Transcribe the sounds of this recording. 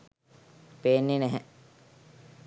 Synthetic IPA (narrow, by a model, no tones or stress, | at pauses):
peːnːenæɦɛ